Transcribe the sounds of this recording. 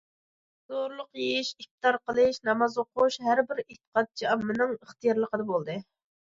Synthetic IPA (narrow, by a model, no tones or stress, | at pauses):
z̥oɾlˠʊqjeiʃik̚t̪ɑɾqəlˠɨʃnɑmɑzoqʰuʃɦæɾbɪɾet̪ə̥qʰɑt̪̚t͡ʃʰiɑmːɨnɨŋəχt̪ɨjɑɾlˠəqəd̪ɑbolˠd̪ɨ